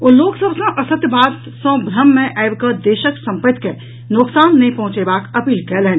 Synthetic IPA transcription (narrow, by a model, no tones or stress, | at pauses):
oːloːksəbsõʔɐsət̪jbaːd̪ | sõbʱɾəmːẽʔaɪbkəd̪eːʃəksɐ̃mpət̪ke | nʊksaːnːɐĩpɐ̃ɦʊ̃t͡ʃeːbaːkɐpiːlkɛlɦɛ̃